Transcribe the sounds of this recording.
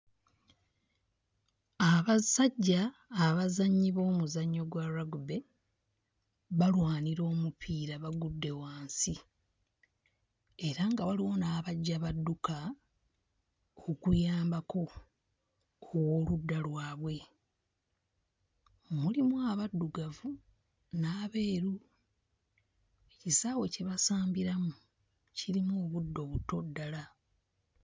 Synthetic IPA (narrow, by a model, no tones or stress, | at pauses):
aβasaɟːaːβazaɲːiβo̞ːmuzaɲːo̞ɡwaɾaɡube̞ | βalwaːniɾo̞ːmupʰiːɾaβaɡudːe̞waːnsi | eɾaŋɡawaliwo̞naːβaɟːaβadːuka | okujaːmbako̞ | owo̞ːludːalwaːβwe̞ | mulimuaβadːuɡavu | naːβe̞ːɾu | ecisaːwe̞ce̞βasaːmbiɾamu | ciɾimuooːβudːo̞βuto̞dːala